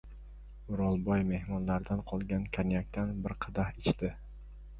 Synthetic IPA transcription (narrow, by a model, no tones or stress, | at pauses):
ʊɾɒlˠbɒjme̞hmɒnlaɾd̪anqʰɒlˠɡʲankʲʰanjak̚ʲt̪ʰanbɪɾqʰɨd̪ahɪt͡ʃt̪ɪ